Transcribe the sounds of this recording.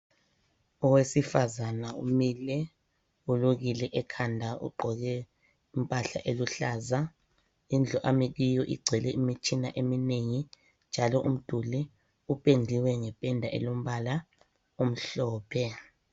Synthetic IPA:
ɔwesifazanaṵmilɛ | uluɣ̬ilɛʔɛkʰandʱaṵɡ͡ǃʱɔɣ̬ɛ | impʼaɬa̰ʔeluɬaːza | ind͡ɮʱɔʔamik̬ijɔʔiɡ͡ǀʱɛlɛʔimit͡ʃʰʼinaʔemineŋi | nd͡ʒʱalɔʔum̩d̥ʱulɛ | upʼend͡ɮʱiwɛŋɛpʼɛndʱaʔḛlom̩ɓala | um̩ɬɔːpʰɛ

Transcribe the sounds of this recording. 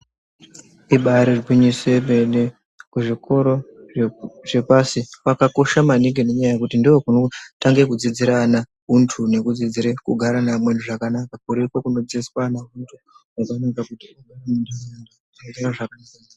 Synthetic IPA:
iɓaɾirɡwiɲisemene | kuʐiko̞ɾo̞ | ʐe̞pasiwakako̞ʃamaniɡene̞ɲajaje̞kutindiokunotaŋɡe̞kud͡zid͡ziɾana | ɦuntʰune̞kud͡zid͡ziɾekuɡʱaɾanamwenduʐakanakakuɾekwokuno̞d͡ziswanauntʰu | wakaneŋɡakutiaɡaranundeandautaŋɡeɾaʐakanaːka

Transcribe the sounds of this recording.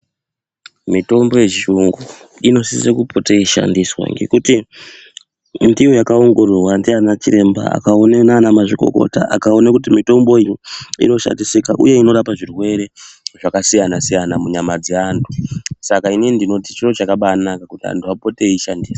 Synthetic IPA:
mito̞mbo̞je̞t͡ʃiuŋɡu | ino̞sisekupo̞teiʃa̰ndiswa̰ŋɡe̞̰kuti | ndiojakao̞ŋɡo̞rurwandianat͡ʃiɾe̞mba̰a̰kaonenaːnamaʐiko̞̰ko̞̰ta̰ʔa̰kao̞nakutimito̞mbo̞ijiḭno̞ʃa̰ndisikaʔṵje̞ino̞ɾapaʐirwe̞ɾe̞ʐakasijanasijanamuɲamad͡zeantʰu̥sakainiindino̞tit͡ʃiro̞t͡ʃakaɓaːnakakutia̰ntʰuapo̞teiʃandiːsa

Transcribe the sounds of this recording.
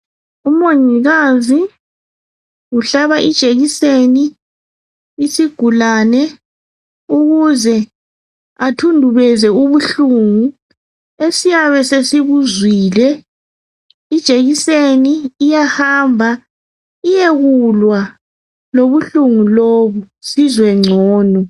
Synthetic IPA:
umoɲiɣazi | uɬaβaʔid̥ʒ̥ʱeɣiseni | siɡ̥ʱulanɛ | uɣuzɛ | atʰundʱuβɛzɛuβuɬuŋu | esijaβɛsesiβuzwiːlɛ | id̥ʒ̥ʱeɣiseniːjahaːmbʱa | ijeɣulwa | loβuɬuŋuloβu | sizwɛŋ͡ǀʱɔːnɔ

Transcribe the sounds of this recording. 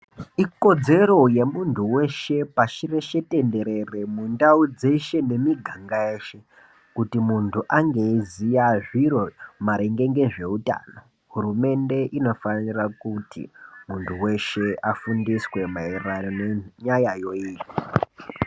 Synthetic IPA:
iko̞d͡ze̞ro̞je̞muntʰuwe̞ʃe̞paʃireʃe̞te̞nde̞ɾe̞re̞mundaud͡ze̞ʃe̞ne̞miɡʱaŋɡaeːʃe | kutimuntʰuʔaŋɡe̞izijaʐiro̞maɾeŋɡe̞ŋɡe̞ʐe̞uta̰ːno | ɦurume̞nde̞ʔino̞fanirakutḭmuntʰuwe̞ʃe̞afundiswe̞mairaoneɲajajo̞iːii

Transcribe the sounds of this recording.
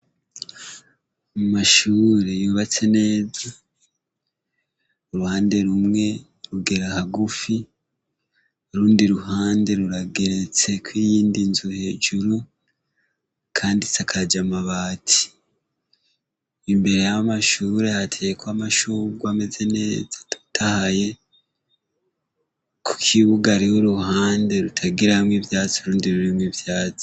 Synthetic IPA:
mumaʃuːɾe̞juːβat͡se̞ne̞ːza | uɾuhaːnde̞ɾumŋe̞ | ɾuɡe̞ɾahaɡufi | ɾuːndiɾuɦaːnde̞ɾuɾaɡe̞ɾe̞t͡se̞kwiːjiːndinzuhe̞ːd͡ʒuɾu | kʰaːndisakʰad͡ʒamaβaːtʰi̥ | imbe̞ɾe̞jaamaʃuːɾe̞hatʰejekwamaʃuɡwame̞ze̞ne̞ːzḁtu̥tʰahaje̞ | kʰu̥kʰiβuɡaɾihoɾuhaːnde̞ɾutʰaɡiɾahamŋivjaːt͡soɾuːndiɾuɾimwivjaːt͡so̥

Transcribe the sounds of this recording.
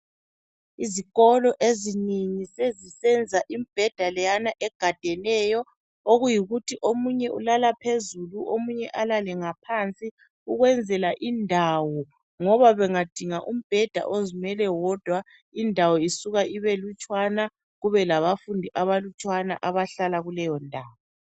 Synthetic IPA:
iziɣɔlɔʔeziniŋisezisɛnd͡zʱaʔimib̥ʱɛd̥ʱalɛjanaʔɛɡ̥ʱad̥ʱɛnɛjɔ | oɣujiɣutʰiʔomuɲɛʔulalapʰezuluʔomuɲɛʔalalɛŋapʰant͡sʼi | uɣwɛnd͡zʱɛlaʔindʱawɔ | ŋɔβaβɛŋad̥ʱiŋaʔum̩b̥ʱɛd̥ʱa̰ʔozimɛlɛwɔd̥ʱwa | indʱawɔisuɣaʔiβelut͡ʃʼwana | ɣuβɛlaβafundʱiʔaβalut͡ʃʼwana̰ʔaβaɬalaɣulɛjɔndʱaːβɔ

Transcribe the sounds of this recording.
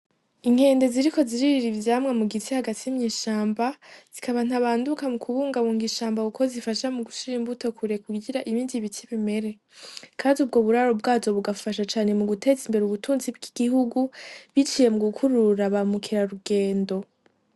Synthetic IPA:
iŋ̥he̞ːnde̞ziɾiko̞ziɾiɾiɾivjaːmŋemuɡitihaɡatʰiimɲiːʃaːmbaz̥ikʰaβan̥aβaːndukamukʰuβuːŋɡaβuŋɡiʃaːmbauko̞zifaʃamuɡuʃiiɾimbuto̞kʰuɾe̞kuɡiɾaʔiβiːndiβitʰiβime̞ɾe̞ | kʰaːniubɡo̞βuɾaɾobɡaːzo̞βuɡafaʃ̬at͡ʃaːne̞muɡute̞ːzimbe̞ɾeuβutʰuːnzibɡiɡ̥iɦuɡuβit͡ʃije̞muɡukʰuɾuɾaβamukʰiɾaɾuɡe̞ːndo̞

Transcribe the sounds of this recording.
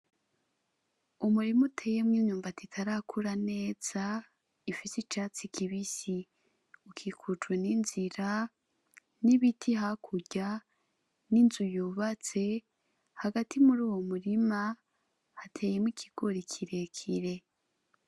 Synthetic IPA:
umuɾimutʰe̞jemŋiːɲuːmbatitʰaɾakʰuɾane̞ːz̥a | ifisit͡ʃaːt͡sikiβisi | ukʰikʰut͡ʃweninziɾa | niβitʰiɦakʰuɟa | ninzujuːβat͡se̞ | haɡatʰimuɾuːwomuɾima | hatʰe̞ːjemŋikʰiɡ̥o̞ɾikʰiɾe̞kʰiɾe̞

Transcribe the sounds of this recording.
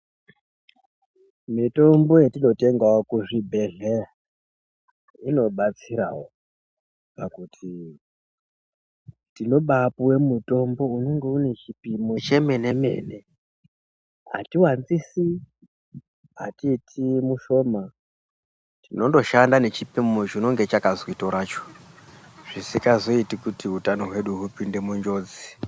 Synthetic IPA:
mito̞mbo̞je̞tino̞te̞ŋɡaokuʐibʱe̞ɮe | ino̞ɓat͡siɾa̰wo | pakutʰi | tino̞ɓapuwe̞muto̞mbo̞une̞ŋɡe̞une̞t͡ʃipimet͡ʃe̞me̞ne̞me̞̰ːne̞ | ɦa̰tiwanzisi | ɦa̰tiːtʰimuʃo̞ːma | tino̞ndo̞ʃandane̞t͡ʃipimot͡ʃino̞ŋɡet͡ʃakazoitoɾaːt͡ʃo̥ | ʐ̥isikazo̞itikutiutano̞ɦwe̞ɗuɦupinde̞muɲd͡ʒo̞ːd͡zi̥

